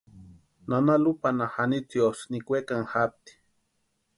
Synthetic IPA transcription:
nanalupanahanit͡siosnikʷekaŋxap̚t̪i̥

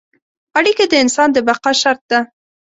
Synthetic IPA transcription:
aɽiked̪əɪnsɑnd̪əbaqɑʃaɾt̪̚d̪a

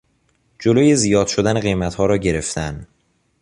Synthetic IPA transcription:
d͡ʒoloːjezijɒːd̪̥ʃo̞d̪æneɣejmæt̪hɒːɾɒːɟe̞ɾe̞ft̪ʰæn

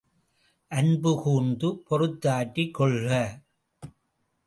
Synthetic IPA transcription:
ʔɐnbɯkuːnd̪ɯpɔrɯt̪ːaːʈːikːɔɭɣɐ

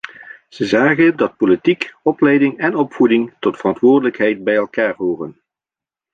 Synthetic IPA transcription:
z̥əzaːχəndɑt̚politikɔplɛjdɪŋɛnɔpfudɪŋtɔtfərɑntʋʊːɹrdələkɦɛjt̚bɛjɛlˠkaːɹɦoːrən

